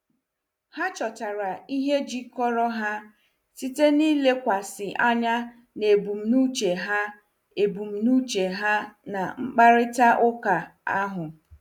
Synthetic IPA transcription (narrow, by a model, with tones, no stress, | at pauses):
ha˦t͡ʃɔ˨ta˨ɾa˨i˦ɦe˦d͡ʒi˦kɔ˦ɾɔ˦ɦa˦ | si˦te˦niː˦le˦kʷa˨sɪ˨ʔa˦ɲa˦ | ne˨bu˨m̩˨nu˦t͡ʃe˨ɦa˦ | e˨bu˨m̩˨nu˦t͡ʃe˨ɦa˦na˨ŋ͡m̩˦k͡pa˦ɾɪ˦ta˦ʔʊ˦ka˨a˦ɦʊ˨